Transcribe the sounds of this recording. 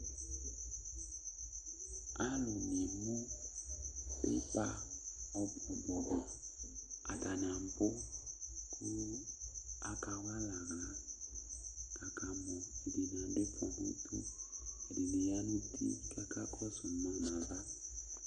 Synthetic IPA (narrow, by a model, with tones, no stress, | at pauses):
a˦lʊ˨ne˨mu˦ | bḛ˦pa˦ɔ˦bɔ˨bɔ˨ɔ˨ | a̰˨ta˨nã˨m˦bʊ˦ | kʰu˦la˦ka˨wa˦la˨ɣa˨ | ka˨ka˨mɔ˨i˨de˨n˨ã˨˦dɪ˦pʰɔ˨mṵ˦tʰṵ˦ɛ˨de˨le˨ja˦nu˦tʰḭ˦˨ka˦ka˦kʰɔ˦sʊ˨mã˦˨na˨va˦